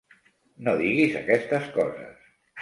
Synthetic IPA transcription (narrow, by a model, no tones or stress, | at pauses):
noðiɣizakɛst̪əskɔzə̰s